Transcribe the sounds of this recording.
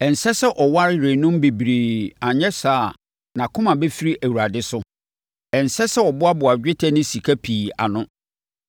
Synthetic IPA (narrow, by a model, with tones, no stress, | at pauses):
ɛ̃˨n˨sɛ˦sɛ˦ʔɔ˨wa˦ɾɪ˦ɾe˨nʊ̃˦mbe˨bi˨ɾeː˨a˨ɲɛ̃˦saː˨ | nã˨kʰʊ̃˦mã˨be˦fi˦ɾi˦ʔæ˨wu˨ɾa˨dɪ˦sʊ˦ | ɛ̃˨n˨sɛ˦sɛ˦ɔ˨bʊ˦a˦bʊ˨a˨d͡ʑᶣɪ˦tʰɛ˦nɪ̃˦si˨kʰæ˦pʰiː˨a̰˨nʊ̃˦